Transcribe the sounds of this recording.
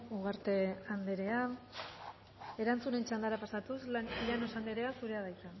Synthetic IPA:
uɣaɾt̪e̞and̪eɾe̞a | e̞ɾant͡sune̞nt͡ʃand̪aɾapasat̪uslanosand̪eɾe̞asuɾe̞aðajt̪a

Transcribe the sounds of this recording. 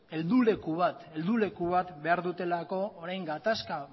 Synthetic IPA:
e̞ld̪ule̞kuβ̞at̪e̞ld̪ule̞kuβat̪be̞aɾðut̪e̞lako̞ːɾajŋɡat̪aska

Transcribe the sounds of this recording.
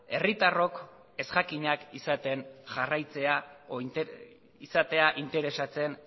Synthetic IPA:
e̞rit̪aro̞k | e̞sʝakiɲakisat̪e̞nʝarajt͡se̞a | isat̪e̞aʔint̪e̞ɾe̞sat͡se̞n

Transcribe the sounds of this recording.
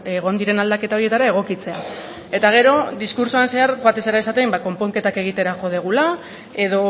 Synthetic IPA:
eɣ̞o̞nd̪iɾe̞nald̪ake̞t̪aoɾie̞t̪aɾae̞ɣ̞o̞kit͡se̞a | e̞t̪aɣ̞e̞ɾo̞d̪iskuɾsuanse̞aɾbat̪e̞seɾaesat̪e̞mbako̞mpo̞ŋke̞t̪ake̞ɣ̞it̪e̞ɾako̞ð̞eɣ̞ula | e̞ðo̞

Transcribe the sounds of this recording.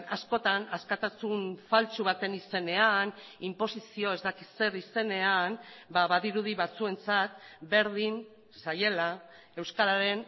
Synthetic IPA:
asko̞t̪anaskat̪asunfalt͡suβ̞at̪e̞nise̞ne̞an | impo̞sisio̞ezd̪akise̞ɾise̞ne̞ambaβaðiɾuð̞iβat͡sue̞nt͡sat̪be̞ɾðin | saje̞la | e̞wskaɾaɾe̞n

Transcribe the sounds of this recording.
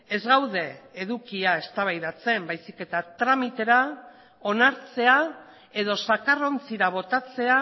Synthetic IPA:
e̞zɣawðe̞ːðukiae̞st̪aβ̞ajðat͡se̞mbajsike̞t̪at̪ɾamit̪e̞ɾa | o̞naɾt͡se̞a | e̞ðo̞sakaro̞nt͡siɾaβ̞o̞t̪at͡se̞a

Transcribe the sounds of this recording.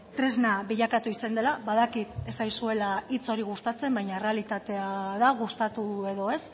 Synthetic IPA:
t̪ɾe̞znaβiʎakat̪uisand̪e̞laβaðakit̪e̞sajsue̞lait͡so̞ɾiɣ̞ust̪at͡se̞mbajɲaere̞alit̪at̪e̞aðaɣ̞ust̪at̪ue̞ðo̞e̞s

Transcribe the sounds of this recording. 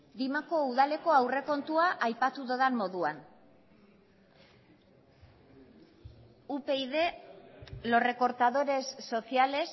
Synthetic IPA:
d̪imako̞uðale̞ko̞awre̞ko̞nt̪uaʔːjpat̪uðoðanmo̞ðuan | upe̞iðe̞ | lo̞re̞ko̞ɾt̪að̞o̞ɾe̞sːo̞siale̞s

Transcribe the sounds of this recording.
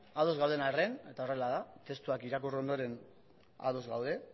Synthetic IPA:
aðo̞zɣawðe̞narene̞t̪ao̞re̞laðat̪e̞st̪uakiɾakuro̞nd̪o̞ɾe̞n | a̰ðozɣawðe̞

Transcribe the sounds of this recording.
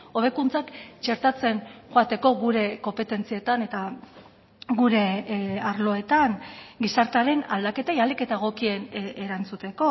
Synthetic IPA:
o̞βe̞kunt͡sakt͡ʃe̞ɾt̪at͡se̞nʝoat̪e̞ko̞ɣuɾe̞ko̞mpe̞t̪e̞nt͡siet̪ane̞t̪a | ɡuɾe̞aɾlo̞e̞t̪aŋɡisaɾt̪aɾe̞na̰ld̪ake̞t̪ajalike̞t̪aɣ̞o̞kie̞neɾant͡sut̪e̞ko̞

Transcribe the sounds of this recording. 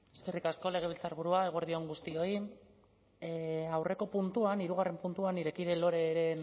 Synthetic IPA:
eske̞rikasko̞le̞ɣ̞eβilt͡saɾβuɾuae̞ɣ̞oɾð̞ioŋɡust̪io̞i | awre̞ko̞punt̪uaniɾuɣ̞are̞mpunt̪uaniɾe̞kiðe̞lo̞ɾe̞ɾe̞n

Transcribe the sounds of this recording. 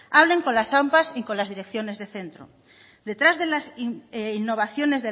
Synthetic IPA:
aβleŋkonlasampasikonlazðiɾekθjo̞nezðeθent̪ɾo̰ | d̪e̞t̪ɾazðelasinːoβ̞aθjo̞nezðe

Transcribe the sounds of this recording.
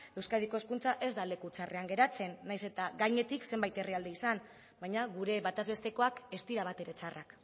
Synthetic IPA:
e̞wskaðiko̞eskunt͡saʔe̞zd̪ale̞kut͡sare̞aŋɡe̞ɾat͡se̞nːajse̞t̪aɡajɲe̞t̪ikse̞mbajt̪eriald̪eisan | baɲaɣuɾe̞βat̪azβe̞st̪e̞ko̞ake̞st̪iɾaβ̞at̪e̞ɾet͡sarʔak

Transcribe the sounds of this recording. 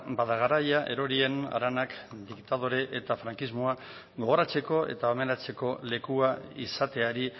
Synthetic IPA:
baðaɣaɾajaʔe̞ɾo̞ɾie̞na̰ɾanakd̪ikt̪að̞oɾe̞ʔet̪afɾaŋkizmoa | ɣo̞ɣ̞o̞ɾat͡se̞ko̞e̞̰t̪aomeɾat͡se̞ko̞le̞kuaisat̪e̞aɾi

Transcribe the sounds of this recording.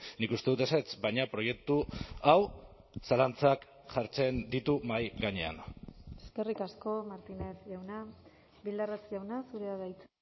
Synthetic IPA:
nikust̪e̞ðut̪eset͡sbajɲapɾo̞je̞k̚t̪uaw | salant͡sak | ʝaɾt͡se̞nd̪it̪umajɡaɲe̞̰a̰neskerikasko̞maɾt̪ine̞sʝawna | bild̪aret͡sʝawnasuɾeaðajt͡s

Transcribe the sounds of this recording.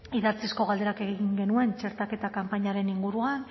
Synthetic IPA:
iðat͡sisko̞ɣald̪e̞ɾake̞ɣiɣiŋɡe̞nue̞nt͡ʃe̞ɾt̪ake̞t̪akampaɲaɾe̞niŋɡuɾuan

